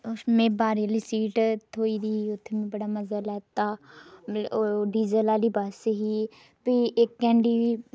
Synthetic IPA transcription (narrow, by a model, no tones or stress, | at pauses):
mẽːbaːɾəliːsiːʈt̪ʰoːiːd̪iːiʊt̪ʰːemẽːbəɽaːməzəlɛːt̪aː | ɖiːzəlaːliːbaːseɦiː | piːekːɛ̃ːɳɖiːʋiː